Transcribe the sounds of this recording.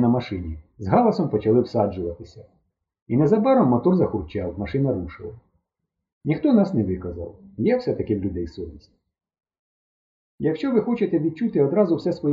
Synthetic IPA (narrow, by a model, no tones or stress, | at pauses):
nɐmɐʃɪnʲizɦɑlˠɐsɔmpɔt͡ʃɐlˠɪwsɑd͡ʒʊʋɐt̪ɪsʲɐ | inɛzɐbɛɾɔmːɔt̪ɔrzɐxʊrt͡ʃawmɐʃɪnɐɾuʃɪlˠɐ | nʲixt̪ɔnɑsnɛʋɪkɐzɑ̰wjɛwsɛt̪ɐkɪwlʲʊd̪ɛjsɔʋʲisʲtʲ | jɐkʃt͡ʃɔʋɪxɔt͡ʃɪt̪ɛʋʲid̪̚t͡ʃut̪ɪɔd̪ɾɑzʊwsɛsʋɔj